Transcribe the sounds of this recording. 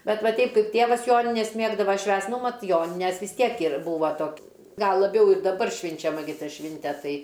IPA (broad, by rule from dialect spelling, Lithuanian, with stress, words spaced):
ˈbʲɛt ˈʋɐ ˈtʲɛɪp ˈkɐɪp ˈtʲeːʋɐs ˈjoːnʲɪnʲɛs ˈmʲeːɡdɐʋɐ ˈʃʲʋʲæːst ˈnʊ ˈmɐt ˈjoːnʲɪnʲɛs ʋʲɪs ˈtʲiɛk ɪr ˈbuːʋɐ ˈtoːk ˈɡɐlˠ lˠɐˈbʲɛʊ ɪr dɐˈbɐr ʃʲʋʲɪnʲt͡ʃʲɛˈmɐ ɡʲɪ ˈtɐ ˈʃʲʋʲɪnʲtʲɛ ˈtɐɪ